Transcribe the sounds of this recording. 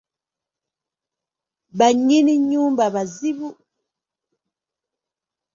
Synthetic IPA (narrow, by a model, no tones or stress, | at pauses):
baɲiniɲumbabazibu